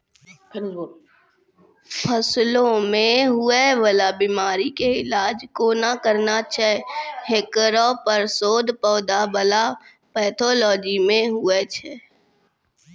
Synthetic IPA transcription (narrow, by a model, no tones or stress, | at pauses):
pʰəslõmẽɦʊeʋəlabimaːɾikeɪlaːd͡ʒkonakəɾnat͡ʃʰɛhekɾopəɾsoːd̪pɔːd̪abəla | pɛːt̪ʰɔːlɔːd͡ʒimẽɦʊet͡ʃʰɛ